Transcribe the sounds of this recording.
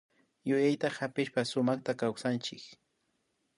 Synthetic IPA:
jʊjajt̪ahapɪʃpasʊmaχt̪akawsant͡ʃɪk

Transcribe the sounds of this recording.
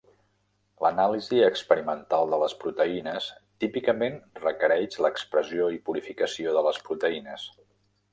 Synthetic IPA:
lənaliziəkspəɾimənt̪alˠd̪ələspɾut̪əinəst̪ipikəmenrəkəɾɛʃləkspɾəzioipuɾifikəsioðələspɾut̪əinəs

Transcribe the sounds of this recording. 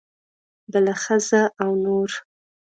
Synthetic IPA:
bəlaxəzaʔawnoɾ

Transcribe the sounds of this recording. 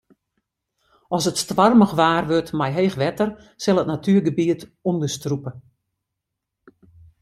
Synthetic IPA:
ɔsətstʋarməxʋaːrʋøtmɛjɦeːxʋɛtər | sɪlˠətnatʰyːrɡəbiətundəstrupə

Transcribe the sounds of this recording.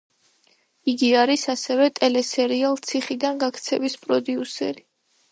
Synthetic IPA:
iɡiaɾisasɛvɛt̪ʼɛlɛsɛɾialˠt̪sʰiχid̪anɡakʰt̪sʰɛvispʼɾɔd̪iusɛ̰ɾi

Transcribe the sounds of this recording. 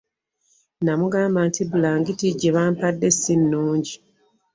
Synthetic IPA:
namuɡaːmbantʰibulaːŋɡitiɟeβaːmpadːe̞sinːuːɲɟi

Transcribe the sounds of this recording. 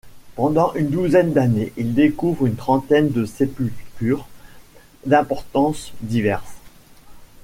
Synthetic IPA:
pɑ̃d̪ɑ̃ʔynd̪uzɛnd̪aneʔild̪ekuvʁynt̪χɑ̃t̪ɛnd̪əsepylt̪yʁ | d̪ɛ̃pɔʁt̪ɑ̃sd̪ivɛʁs

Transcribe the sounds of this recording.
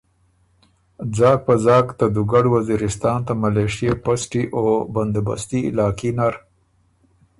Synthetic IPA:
d͡zɑːk̚pazɑːkt̪ad̪uɡaɽwaziɾɪst̪ɑːnt̪amaleʂijepasʈiʔoband̪aba̰st̪iɪ̰lɑːkinaɾ

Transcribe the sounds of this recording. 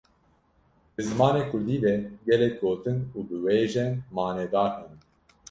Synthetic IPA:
bɨzɨmɑːneːkʰʊɾd̪iːvɛɡɛlɛk̚ɡoːt̪ɨnuːbɨweːʒɛnmɑːneːd̪ɑːɾhɛn

